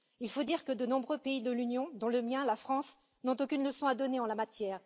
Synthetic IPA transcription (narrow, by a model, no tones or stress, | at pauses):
ilfod̪iʁkəd̪ənɔ̃bʁøpeid̪əlynjɔ̃d̪ɔ̃ləmjɛ̃lafχɑ̃s | nɔ̃t̪okʲynləsɔ̃ad̪ɔneɑ̃lamat̪jɛːʁ